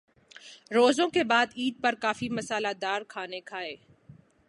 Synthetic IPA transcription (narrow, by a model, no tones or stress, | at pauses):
ɾoːzõkebaːd̪iːd̪̚pɐɾkaːfimɐsaːlad̪aːɾkʰaːnekʰaːeː